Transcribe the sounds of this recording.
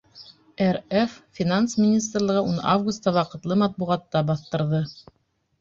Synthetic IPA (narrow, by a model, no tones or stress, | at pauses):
ɛreffʲinansmʲinʲis̬t̪rlˠɤʁɤʔuna̰vɡust̪ːɑwɑqɤ̆t̪lˠɤmɑt̪̚buʁɑt̪ːɑbɑθt̪ɤ̆ɾðɤ